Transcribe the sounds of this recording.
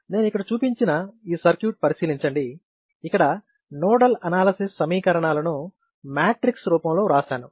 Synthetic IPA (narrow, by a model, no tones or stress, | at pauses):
ne̞ːnuikːɐɽɐt͡ʃuːpiɲt͡ʃinɐiːsɐɾkjuːʈ̚pɐɾisiːliɲt͡ʃɐɳɖi | ikːɐɽɐ | nɔːɽɐlɐnaːlɐsisːɐmiːkɐɾɐɳaːlɐnu | maːʈɾiksɾuːpɐmlo̞ːɾaːʃaːnu